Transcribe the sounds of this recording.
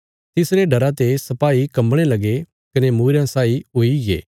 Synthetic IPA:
t̪ɪsɾeɖɐɾãt̪esɐpaːikɐmɽ̃elɐɡe | kɐnemuːɾjãsaːiɦoiɡḛː

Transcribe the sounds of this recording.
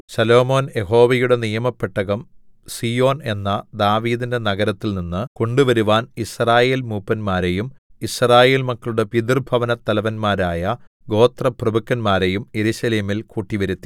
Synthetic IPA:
ɕɐlo̞ːmo̞ːnje̞ɦo̞ːʋɐjuɽe̞nijɐmɐpːeʈːɐɣɐmsiːjo̞ːne̞nːɐd̪aːʋiːðinde̞nɐɣɐɾɐt̪ːilninːɨko̞ɳɖuʋɐɾuʋaːnisraːje̞ːlmuːpːɐnmaːɾejumisraːje̞ːlmɐkːɐɭuɽe̞piðirbʱɐʋɐnɐt̪ːɐlɐʋɐnmaːɾaːjɐ | ɡo̞ːt̪rɐprɐbukːɐnmaːɾe̞jumje̞ɾuɕɐleːmilkuːʈːiʋɐɾut̪ːi̥

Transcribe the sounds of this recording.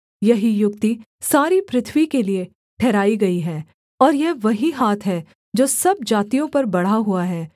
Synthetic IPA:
jɐɦijʊk̚t̪i | saːɾipɾɪt̪ʰʋikelie | ʈʰɛːɾaːiɡɐiɦɛː | ɔːɾjɛʋɐɦiɦaːt̪ʰɦɛ | d͡ʒoːsɐb̚d͡ʒaːt̪ijõpɐɾbɐɽ̤aɦuaɦɛː

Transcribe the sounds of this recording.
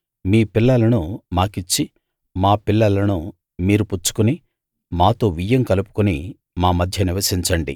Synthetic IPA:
miːpiɭːɐlɐnumaːkit͡ʃːi | maːpiɭːɐlɐnu | miːɾuput͡ʃːu̥kuni | maːt̪o̞ːʋijːɐmkɐlupu̥kuni | maːmɐd̪ʱjɐniʋɐsiɲt͡ʃɐɳɖḭ

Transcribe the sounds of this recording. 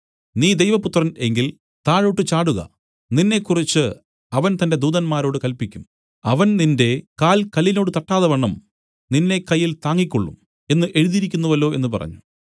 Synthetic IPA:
niːd̪ejʋɐput̪rɐne̞ŋɡil | t̪aːɻoːʈːɨt͡ɕaːɽuɣɐ̰ | ninːe̞kːurit͡ɕːɨ | ɐʋɐnt̪ɐnde̞d̪uːðɐnmaːɾo̞ːɽɨkɐlpikʲːum | ɐʋɐnninde̞kaːlkɐlːino̞ːɽɨt̪ɐʈːaːðɐʋɐɳːɐm | ninːe̞kɐjːilt̪aːŋːikʲːoɭːṵm | e̞nːɨʔe̞ɻuðiɾik̬ʲːunːuʋɐlːo̞ːe̞nːupɐ̰rɐ̰ɲːu

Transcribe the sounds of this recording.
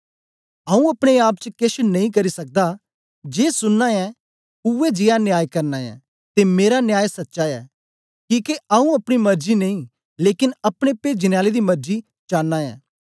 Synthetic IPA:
aːũɐpɽ̃eaːp̚t͡ʃəkɪʃnɐ̃ĩkɐɾisɐk̚d̪a | d͡ʒeːsʊnːaɛ̃ | uɛd͡ʒɪjanjaːjkɐɾnaːɛ̰̃ | t̪emeːɾanjaːjsɐtːʃaɛ̰ː | kiːkeaːũɐpɽ̃imɐɾd͡ʒinɐĩ | leːkɪnɐpɽ̃epeːd͡ʒɪnjaːled̪imɐɾd͡ʒi | t͡ʃaːnːaːɛ̰̃ː

